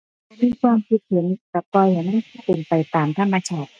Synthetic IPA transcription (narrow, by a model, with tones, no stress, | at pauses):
ma˧nmiː˧˨kʰwaː˧mkʰi˨˧˩t̪̚hʰi˨˩˦nka˨˧˩p̚pɔː˧jha˨˩ŋma˥˩kʰa˥˩pe˧npa˧jt̪aː˨mt̪ʰa˧mːa˧t͡ɕʰaː˥˩t̪̚